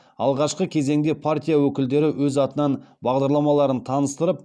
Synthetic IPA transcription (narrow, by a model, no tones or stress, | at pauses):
ɑ̰lˠʁɑʃqəkʲʰe̞ze̞ŋd̪e̞pʰart̪ʲijawɵkʲɪld̪e̞ɾɪwɵzɑt̪ənɑnbɑʁd̪ɑɾlˠɑmɑlˠɑɾənt̪ʰɑnəst̪əɾəp̚